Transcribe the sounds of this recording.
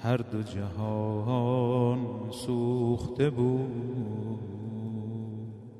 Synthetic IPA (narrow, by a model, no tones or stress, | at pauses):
haɾd̪ʊd͡ʒaɦɔɦɔnsuχt̪ʰebu